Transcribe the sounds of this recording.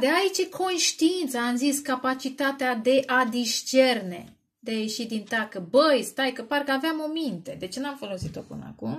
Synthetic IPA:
d̪eait͡ʃekʰo̞nʃt̪iint̪səamziskapat͡ʃit̪at̪ead̪e̞ʔad̪iʃt͡ʃe̞rne̞̰ | d̪eaje̞ʃid̪int̪akəbəjst̪ajkəpaɾkəaveamo̞mint̪e̞d̪e̞t͡ʃenamfo̞lo̞sit̪o̞pɨ̰nə̰a̰kum

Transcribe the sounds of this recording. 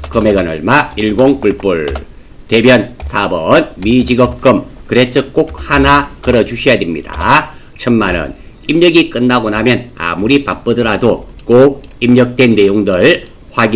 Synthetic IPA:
kɯme̞ɡʌnʌ̰ɭmaiɭɡoŋpuɭp͈ɯɭ | te̞mjʌnsʰabʌnmid͡ʑiɡʌp̚k͈ɯmkɯɾet͡ɕʰɯk͈ok̚hanakɯɾʌd͡ʑuɕʰiʌjademɲḭda̰ | t͡ɕʰʌmmanɯ̰n | imɲʌɡik͈ɯnːaɡonamjʌna̰muɾipap͈ɯdɯɾado | k͈ok̚imɲʌk̚t͈we̞nːejoŋdɯɭ | ɸwaɡ

